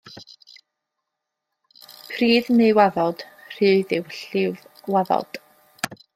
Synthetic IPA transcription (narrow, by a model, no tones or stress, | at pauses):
pʰriːðnewaðɔd̥r̥ɨːðɪwɬɪvwaðɔ̰d̥